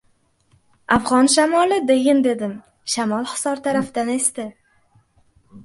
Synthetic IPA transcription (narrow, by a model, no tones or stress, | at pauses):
afʁɒnʃ̬amɒlˠɪd̪ejɪnd̪e̞d̪ɪm | ʃamɒlˠχɨ̥sɒɾt̪ʰaɾafd̪ane̞st̪ɪ